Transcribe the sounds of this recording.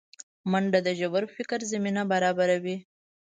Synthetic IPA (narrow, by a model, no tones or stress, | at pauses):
maɳɖad̪əʒabaɾfɪkəɾzaminabaɾɑbaɾawi